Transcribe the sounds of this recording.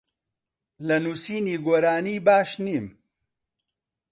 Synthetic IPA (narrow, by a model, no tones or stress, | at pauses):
lɐnuːsiːniːɡoːɾaːniːbaːʃniːm